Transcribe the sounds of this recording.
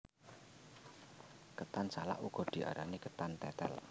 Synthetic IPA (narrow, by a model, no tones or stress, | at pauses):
kət̪ansala̰ʔuɡ̥ɔ̤d̪̥i̤ʔa̰ɾanikət̪ant̪ɛt̪ɛ̰l